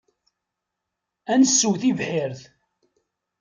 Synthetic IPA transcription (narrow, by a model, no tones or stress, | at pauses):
ænəsːuwθivħɪɾθ